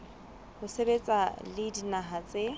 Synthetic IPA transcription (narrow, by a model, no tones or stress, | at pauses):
hʊsebet͡sʼalɪdinaɦat͡sʼe